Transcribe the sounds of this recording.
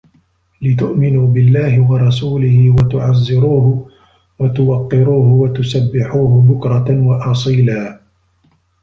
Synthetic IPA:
lɪt̪ʊʔmɪnuːbɪlːaːɦɪwɑɾˤɑsuːlɪhɪwat̪ʊʕazːɪɾuːhʊ | wat̪ʊwɑqːɪɾuːɦʊwat̪ʊsabːɪħuːɦʊbʊkɾˤɑwɑʔɑsˤiːlaː

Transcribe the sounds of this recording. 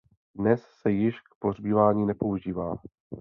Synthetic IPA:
dnɛsːɛjɪʃk̚po̞rbiːvaːɲiːnɛpo̞uʒiːvaː

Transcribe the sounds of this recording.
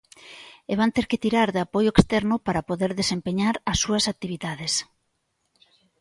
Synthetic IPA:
eβant̪eɾkɪt̪iɾaɾðeapojʊekst̪ɛɾnʊpaɾapoðeɾðesempeɲaɾɐsːuɐsak̚t̪iβ̞iðaðes

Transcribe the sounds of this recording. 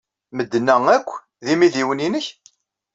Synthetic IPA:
məd̪ːnːæŋækʷː | ðimiðiwəninəç

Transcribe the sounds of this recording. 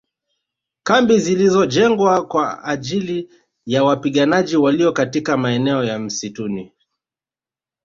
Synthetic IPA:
kambizilizɔʄɛŋɡwakwaaʄili | jawapiɠanaʄiwaliɔkatikamaɛnɛɔjam̩situni

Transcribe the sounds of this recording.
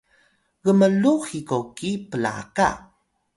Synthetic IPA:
ɣəməluxikokipəla̰ka̰

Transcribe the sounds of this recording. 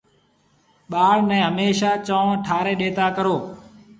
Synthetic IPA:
ɓaːɽnɛ̃ːɦəmeːʃaːt͡ʃə̃ːʈʰaːɾẽːɗeːt̪aːkəɾoː

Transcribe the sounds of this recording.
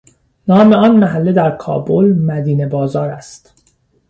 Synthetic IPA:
nɒːmeɒːnmæɦælːed̪æɾkʰɒ̰ːbolmæd̪iːne̞bɒːzɒːɾæst̪

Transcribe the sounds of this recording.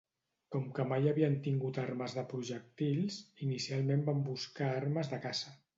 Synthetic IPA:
kɔmkəmajəβiənt̪iŋɡut̪aɾməzðəpɾuʒək̚t̪iʎsinisialˠmembambuskaaɾməzðəkazə

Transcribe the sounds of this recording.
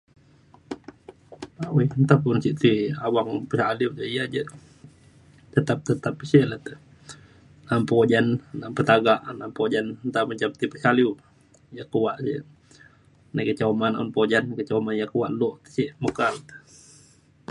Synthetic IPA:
awint̪apunsiʔt̪iawaŋpəsaliud͡ʒəijad͡ʒə | t̪ət̪ap̚t̪ət̪apisiʔlət̪ə | nampod͡ʒannaʔmpət̪aɡaʔnampod͡ʒannt̪aməɲt͡ʃap̚t̪ipəsaliu | jakəwaʔsḭʔ | nakət͡ʃamanʔɔ̰npod͡ʒankət͡ʃamanjakəwaʔloʔt̪ə̥siʔməkalt̪ə̥

